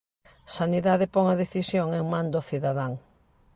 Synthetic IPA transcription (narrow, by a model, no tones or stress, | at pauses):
saniðaðɪpɔŋɐðeθisjoŋeŋmãnd̪oθiðaðaŋ